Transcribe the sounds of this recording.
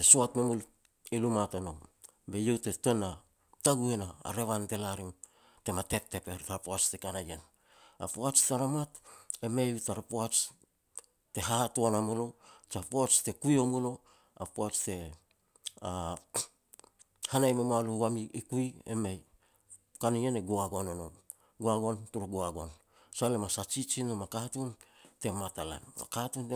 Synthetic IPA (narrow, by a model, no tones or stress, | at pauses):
tesuatmemul | ilumatono̞m | be̞je̞wte̞to̞na | taɡue̞na̰ːɾe̞βante̞laɾiŋ | te̞mate̞p̚te̞pe̞ɾtaɾpoat͡ʃtekanajen | a̰poat͡ʃteaɾamate̞mejutaɾapoat͡ʃ | te̞ɦatoanamolot͡ʃapoat͡ʃte̞kujomulo̞ | a̰poat͡ʃte̞ | a | hanajmemoaluwamiikuiḛmej | kanieneɡoaɡonono | ɡoaɡo̞ntuɾuɡoaɡo̞n | salemasat͡ʃit͡ʃinomakatunte̞matala̰nma̰katunt